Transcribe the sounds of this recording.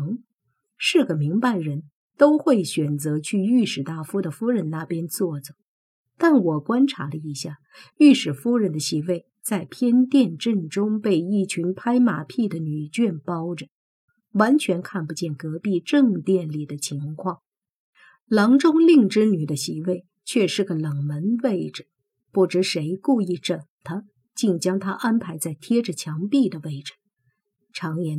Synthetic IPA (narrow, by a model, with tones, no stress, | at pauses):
ŋ | ʂɻ̩˥˩ɡə˩mi˧˥ŋpa˧ɪɻə˧˥n | t̪o˥ʊxwe˥˩ɪɕɥɛ˨˩nt͡sɤ˧˥t͡ɕʰy˥˧y˥˩ʂɻ̩˨˩t̪a˥˩fu˥d̪ə˨fu˥ɻə˧˥nna˥˩pjɛ˥nt͡swɔ˥˩ʈ͡ʂə˨˩ | t̪a˥˩nwɔ˨˩kwa˥nʈ͡ʂʰa̰˧˥lə˧i˧˥ɕja˥˩ | y˥˩ʂɻ̩˨˩fu˥ɻə˧˥nd̪ə˧ɕi˧˥we˥˩ɪ | t͡sa˥˩ɪpʰjɛ˥nt̪jɛ˥˧nʈ͡ʂə˥˩nʈ͡ʂʊ˥ŋpe˥˧ɪi˥˩t͡ɕʰy˧˥npʰa˥ɪma̰˨˩pʰi˥˩d̪ə˩ny˨˩t͡ɕɥɛ˥˩npɑ˥ʊʈ͡ʂə˩ | wa˧˥nt͡ɕʰɥɛ˧˥nkʰa˥˩npu˧t͡ɕjɛ˥˩nkɤ˧˥pi˥˧ʈ͡ʂɤ˥˧ŋt̪jɛ˥˩nli˨˩d̪ə˦t͡ɕʰi˧˥ŋkʰwɑ˥˩ŋ | lɑ˧˥ŋʈ͡ʂʊ˥ŋli˥˩ŋʈ͡ʂɻ̩˥ny˨˩d̪ə˦ɕi˧˥we˥˩ɪ | t͡ɕʰɥɛ˥˧ʂɻ̩˥˩ɡə˩lɤ˨˩ŋmə˧˥nwe˥˩ɪʈ͡ʂɻ̩˩ | pu˥˩ʈ͡ʂɻ̩˧˥ʂe˧˥ɪku˥˧i˥˩ʈ͡ʂə˨˩ŋt̪ʰə˥ | t͡ɕi˥˩ŋt͡ɕjɑ˥ŋt̪ʰa˥ʔa˥npʰa˧˥ɪt͡sa˥˩ɪt̪ʰjɛ˥ʈ͡ʂə˨t͡ɕʰjɑ˧˥ŋpi˥˩d̪ə˩we˥˩ɪʈ͡ʂ̩˨˩ | ʈ͡ʂʰɑ˧˥ŋjɛ˧˥